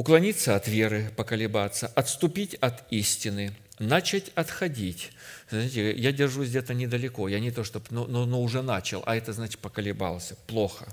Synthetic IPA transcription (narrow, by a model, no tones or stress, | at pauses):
ʊklˠɐnʲit̪səɐt̪vʲe̞ɾɨpəkəlʲɪbat̪sːəʔɐt̪st̪ʊpʲitʲɐt̪isʲtʲɪnɨ | nat͡ɕatʲɐt̪xɐdʲitʲzʲitʲɪjadʲɪrʐusʲdʲet̪ənʲɪd̪əlʲɪko̞janʲɪt̪oʂt̪opnononoʊʐɛnat͡ɕɪlˠʔɐ̰ɛt̪əznat͡ɕɪ̥t̪̚pəkəlʲɪba̰lˠəsʲəplˠoxə